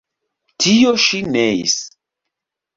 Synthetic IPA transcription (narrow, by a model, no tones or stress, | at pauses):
tʰijoʃineḭs